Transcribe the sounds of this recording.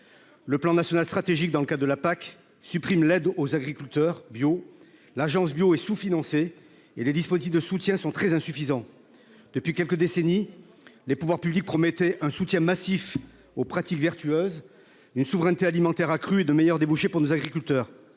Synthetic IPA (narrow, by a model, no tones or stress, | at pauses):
ləplɑ̃nasjɔnalst̪χat̪eʒik̚d̪ɑ̃ləkad̪əlapak | sypχimlɛd̪ozaɡʁikʲylt̪œʁbjo | laʒɑ̃s̬bjoɛsufinɑ̃se | eled̪ispozit̪̬ifd̪əsut̪jɛ̃sɔ̃t̪χɛzɛ̃syfizɑ̃ | d̪̥əpɥikʲɛlkəd̪eseni | lepuvwaʁpyblik̚pχɔmɛt̪ɛʔɛ̃sut̪jɛ̃masif | opχat̪ikvɛʁt̪yøz | ynsuvʁɛ̃nt̪ealimɑ̃t̪ɛʁakχyed̪əmejœʁd̪ebuʃepuʁnozaɡʁikʲylt̪œːʁ